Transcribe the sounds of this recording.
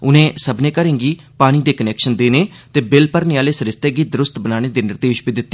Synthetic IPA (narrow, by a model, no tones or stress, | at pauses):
ʊnẽːsəbnẽːkəɾẽːŋɡiː | paːɽ̃iːd̪eːkənɛːkʃənd̪eːneː | t̪eːbɪlpəɾneaːleːsəɾɪst̪ɛːɡiːd̪əɾʊst̪bənaːɽ̃eːd̪eːnɪɾd̪eːʃbiːd̪ɪt̪ːeː